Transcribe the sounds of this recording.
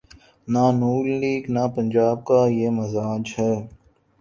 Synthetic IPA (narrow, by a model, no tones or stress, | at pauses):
naːnuːlliːɡnaːpənd͡ʒaːb̚kaːjeːməzaːd͡ʒɦɛː